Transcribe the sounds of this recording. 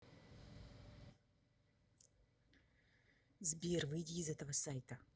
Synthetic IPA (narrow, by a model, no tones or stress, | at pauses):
zbʲirvɨjdʲiːzɛt̪əvəsajt̪ə